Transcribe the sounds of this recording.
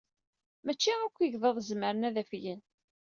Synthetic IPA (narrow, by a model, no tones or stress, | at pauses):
mæt͡ʃːiækʷːiʝðˤəðˤzməɾənæðæfjən